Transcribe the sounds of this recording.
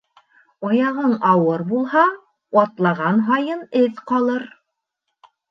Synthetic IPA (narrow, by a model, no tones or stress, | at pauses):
ɑjɑʁɤɴɑwɤɾbulˠhɑ | wɑt̪lˠɑʁɑnɦɑjɤnɘðqɑlˠɤɾ